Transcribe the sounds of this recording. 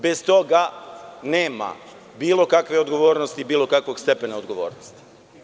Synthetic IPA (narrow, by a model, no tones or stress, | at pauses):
best̪o̞ɡaneːma̰ | biːlˠo̞kakʋe̞o̞d̪ɡo̞ʋo̞ːɾnost̪iːbiːlˠo̞kakʋo̞ɡst̪e̞penaod̪ɡo̞ʋo̞̰ːɾnost̪i̥